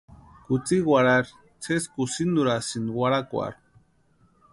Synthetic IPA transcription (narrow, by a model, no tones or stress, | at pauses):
kut͡siɣwaɾaɾ | t͡sʰeskusind̪uɾasinwaɾakʷa̰ɾ